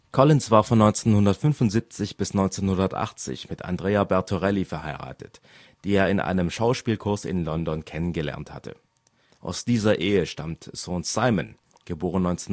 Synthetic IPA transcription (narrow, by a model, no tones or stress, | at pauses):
kʰɔlɪnsv̥aːɐfɔnːɔʏnt͡seːnhʊndɐtfʏnfʊntz̥iːp̚t͡sɪçb̥ɪsnɔʏnt͡seːnhʊndɐtʔa̰χt͡sɪ̰çmɪtʰa̰ndʁeːabɛɐtʰoʁɛlifɛɐhaɪʁa̰ːtət | d̥iːeːɐɪnʔa̰ɪnəmʃaʊʃpiːlkʰʊɐsɪ̰nlɔndɔnkʰɛnənɡəlɛ̰ɐnthatʰə̰ | ʔa̰ʊsd̥iːzɐʔeːəʃtamtsonsaɪmən | ɡ̥əboːʁənːɔʏnt͡seːn